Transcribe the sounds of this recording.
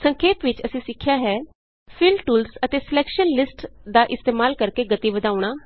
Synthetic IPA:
səŋkʰeːpʋɪt͡ʃəsĩːsɪkʰːjaːɦɛː | fʰɪlʈuːlsət̪eːsɪlɛːkʃənlɪsʈd̪aːʔɪst̪eːmaːlkəɾkeːɡət̪iːʋəd̪aːʊɽ̃aː

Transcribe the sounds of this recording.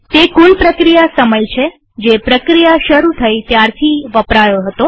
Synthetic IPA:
t̪ekulpɾəkɾijasəməjt͡ʃʰe | d͡ʒepɾəkɾijaʃəɾut̪ʰəit̪jaɾt̪ʰiʋəpɾajoɦət̪o

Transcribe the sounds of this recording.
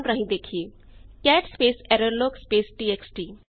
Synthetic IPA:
nɾəɦĩd̪eːkʰiekɛːʈspeːsɛɾəɾloːkspeːsʈiːeksʈiː

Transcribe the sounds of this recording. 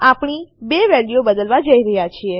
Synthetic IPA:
apɳ̃ibeʋɛljobəd̪əlʋad͡ʒəiɾəɦjat͡ʃʰie

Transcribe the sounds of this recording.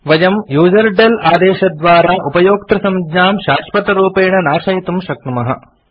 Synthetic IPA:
ʋɐd͡ʒɐmjuːd͡ʒɐɾɖelaːd̪eːʃɐd̪ʋaːɾaːʔupɐjoːkt̪ɾɐsɐmd͡ʒɲaːmʃaːʂpɐt̪ɐɾuːpeːɳɐnaːʃɐɦit̪umʃɐk̚t̪umɐɦɐ̰

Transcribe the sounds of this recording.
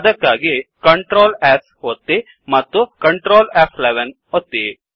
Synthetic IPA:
ɐd̪ɐkːaːɡikɐɳʈɾoːles | ɦot̪ːi | mɐt̪ːukɐɳʈɾoːlefʰleʋen | ot̪ːi

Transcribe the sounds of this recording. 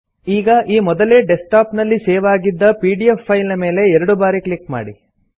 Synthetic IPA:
iːɡɐʔiːmɔd̪ɐle̞ːɖesʈaːpnɐlːiseːʋaːɡid̪ːɐpiːɖiepːɐjlɐme̞ːle̞ɛɾɐɽubaːɾiklikma̰ːɽi

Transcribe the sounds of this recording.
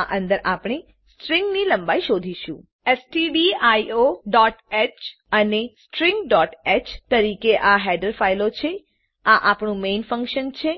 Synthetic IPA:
aʔə̃nd̪əɾʔapɳ̃e | sʈɾĩŋɡniləmbaiʃod̪ʱiʃṵ̃ | esʈiɖiajoɖɔʈet͡ʃ | ənesʈɾɪ̃ŋɡɖɔʈet͡ʃt̪əɾikeʔaɦɛɖəɾfailot͡ʃʰe | aʔapɳũmenfə̃ŋkʃənt͡ʃʰe

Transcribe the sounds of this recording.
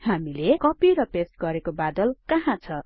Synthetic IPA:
hamilekʌpiɾʌpestɡʌɾekobad̪ʌlkʌɦãt͡sʰʌ

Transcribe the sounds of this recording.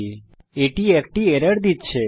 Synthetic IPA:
eʈiɛk̚ʈiɛɾəɽd̪it̪t͡ʃʰe

